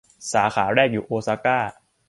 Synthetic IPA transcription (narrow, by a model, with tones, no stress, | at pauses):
saː˩˦xʰaː˩˦ɾɛː˥˩k̚juː˨˩ʔoː˧saː˧˥kaː˥˩